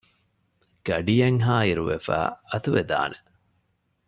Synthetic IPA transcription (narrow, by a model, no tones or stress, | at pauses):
ɡ̥ɐɖijɐŋɦaːiɾuʋefæ̰ːɐt̪uʋed̪a̰ːnʔe